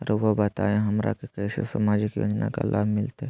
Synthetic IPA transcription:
ɾʋobət̪a̰ːẽɦɐmɾa̰kekɛːsḛsɐmaːd͡ʒikjo̰ːd͡ʒna̰ka̰lʔaːbmɪlt̪e

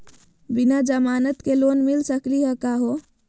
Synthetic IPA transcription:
binad͡ʒəmaːnət̪keloːnmilsəkliɦəkaɦo

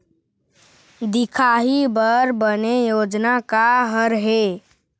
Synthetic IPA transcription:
d̪ikʰaɦibəɾbənejod͡ʒnakaɦəɾɦe

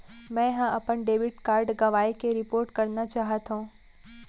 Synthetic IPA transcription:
mɛ̃ɦãɐpənɖeːʋɪʈkaːɾɖɡɐʋaːikeɾɪpoːɾʈkɐɾnat͡ʃaːɦət̪ɦũː

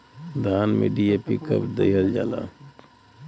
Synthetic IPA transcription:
d̪ʱaːnmḛɖiepikə̰pd̪eɦəld͡ʒa̰ːla̰ː

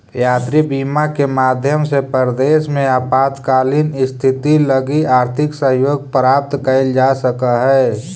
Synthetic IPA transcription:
jaːt̪ɾibiːmakemaːd̪ʱjəmsepəɾd̪eːsmẽapaːt̪kaːlinɪst̪ʰɪt̪iləɡiaːɾt̪ʰɪksəɦjoːɡ̚pəɾaːp̚t̪kəɪld͡ʒasəkəɦɛː

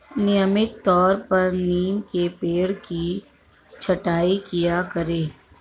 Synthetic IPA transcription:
nɪjəmɪt̪t̪ɔːɾpɐɾniːmkepeːɽki | t͡ʃʰɐʈaːikijakəɾeː

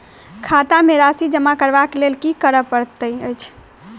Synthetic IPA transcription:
kʰat̪ameɾasid͡ʒəmakəɾbakelelkikəɾəpəɾt̪əjəjt͡ʃʰ

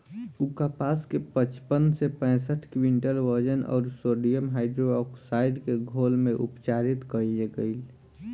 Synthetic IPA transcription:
ukapaskepət͡ʃpənsepɛ̃ːsəʈʰkwiɳʈəlʋəɾd͡ʒənɔ̰ːɾsoɖijəmɦaɪɖɾoɔksaɪɖkeɡʱolmẽʔṵpt͡ʃaɾit̪kəjeɡəɪl

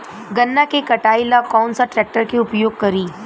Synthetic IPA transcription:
ɡɐnːakekɐʈaːilakɔːnsaʈɾɛːk̚ʈəɾkeʊpjoːɡ̚kɐɾiː

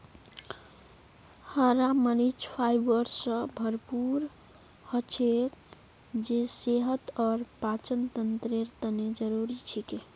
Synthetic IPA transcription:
həɾaməɾid͡ʒpʰajbəɾsə̃bʱəɾpuɾ | hət͡ʃʰek | d͡ʒeseɦət̪ɔɾpat͡ʃənt̪ənt̪ɾeɾt̪əned͡ʒəɾuɾit͡ʃʰike

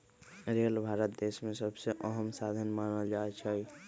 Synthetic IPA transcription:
ɾelbʱaɾət̪̚d̪esmesəbseʔəɦəmsad̪ʱənmanəld͡ʒaet͡ʃʰəj

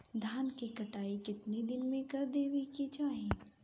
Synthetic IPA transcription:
d̪ʱaːnkikɐʈaːikɪt̪nid̪ɪnmẽkɐɾd̪eːʋikid͡ʒaːɦẽː

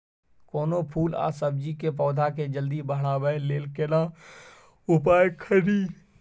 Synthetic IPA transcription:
koːnopʰuːla̰ːsəb̚d͡ʒikep̬ɔːd̪ʱaked͡ʒəld̪ibəɦɽaːbəeleːlkena | ʊpaːjkʰəɾiː

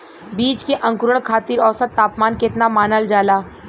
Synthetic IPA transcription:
biːt͡ʃkeʔɐ̃ŋkʊɾəɭkʰaːt̪iːɾɔːsət̪ːaːpmaːnkɪt̪namaːnəld͡ʒaːlaː

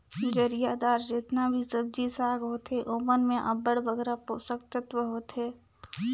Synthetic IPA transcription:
kid͡ʒəɾijad̪aːɾd͡ʒeːt̪nabʱisəb̚d͡ʒisaːɡɦoːt̪ɦeʔoːmənmẽʔə̰bəɽbəɡɾaposəkt̪ət̪ʋəɦoːt̪ɦeː

